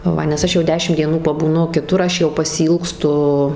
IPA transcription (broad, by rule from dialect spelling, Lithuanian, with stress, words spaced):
ˈʋɐ nʲɛs ˈɐʃ jɛʊ ˈdʲæːʃʲɪm ˈdʲiɛnuː pɐbuːˈnʊ kʲɪˈtʊr ˈɐʃ jɛʊ pɐsʲɪˈiːlˠkstʊ